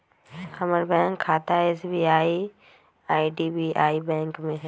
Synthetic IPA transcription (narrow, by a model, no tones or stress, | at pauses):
xɐməɾbɛ̃ːŋkʰːaːt̪aeːsbiːaːi | aːiɖiːbiːʔaːibɛ̃ːŋkmẽɦ